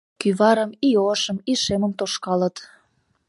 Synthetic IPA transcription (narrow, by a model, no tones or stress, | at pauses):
kyβɑɾəmioʃə̆miʃeməmt̪oʃkɑlət̪